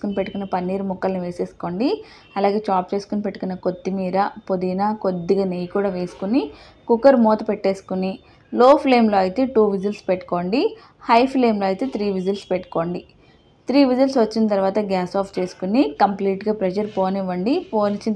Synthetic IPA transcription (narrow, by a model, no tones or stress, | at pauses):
skunipeʈːukunːɐpɐnːiːɾumukːɐlniʋeːseːsu̥ko̞ːɳɖi | ɐlaːɡe̞ːt͡ʃaːp̚t͡ʃe̞ːsu̥kunipeʈːu̥kunːɐkot̪ːimiːɾɐpod̪ijnaːkod̪ːiɡaːnejikuːɽɐʋe̞ːsu̥kuni | kukːɐɾmoːt̪upeʈːeːsu̥kuni | loːpʰle̞ːmlo̞ːɐjit̪e̞ːʈuːʋid͡ʒɐlspeʈːu̥ko̞ːɳɖi | hɐjpʰleːmlo̞ːɐjit̪e̞ːt̪ɾiːʋid͡ʒɐlspeʈːu̥ko̞ːɳɖi | t̪ɾiːʋid͡ʒɐlsʋɐt͡ʃːinɐt̪̬ɐɾʋaːt̪ɐɡaːsaːpʰt͡ʃe̞ːsu̥kunikɐmpliːʈɡaːpɾɛd͡ʒɐɾpo̞ːniʋɐɳɖipoːnit͡ʃːin